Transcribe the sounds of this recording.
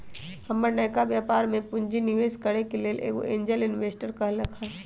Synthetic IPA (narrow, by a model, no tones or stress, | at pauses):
hɐmːəɾnɛːkaʋjaːpaːɾmẽpʊ̃ɲd͡ʒinɪʋeːskəɽekeleːlʔḛːɡo̰ẽːɲd͡ʒəlɪnʋeːsʈəɾkɐɦləkʰɛ